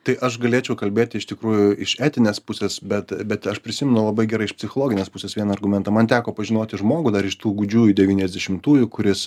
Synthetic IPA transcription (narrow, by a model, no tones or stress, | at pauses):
t̪ɐɪʔɐʃɡɐlʲeɛt͡ʃʲɛʊkɐlʲbʲeːt̪ʲɪɪʃt̪ʲɪkɾuːjʊɪʃæːt̪ʲɪnʲeːspʊsʲesbʲɛt̪bʲɛt̪ɐʃpʲɾʲɪsʲɪmʲɛnʊlˠɐbɐɪɡʲɛɾɐɪʃpʲsʲɪxoːlˠoːɡʲɪnʲeːspʊsʲeːsʋʲiɛnɐɐrɡʊmʲɛnt̪ɐmɐnt̪ʲæːkoːpɐʒʲɪnoːt̪ʲɪʒmoːɡʊd̪ɐɾɪʃt̪uːɡʊd͡ʒʲuːd̪ʲɛʋʲiːnʲɛzʲd̪ʲɛʃʲɪmt̪uːjʊkʊɾʲɪs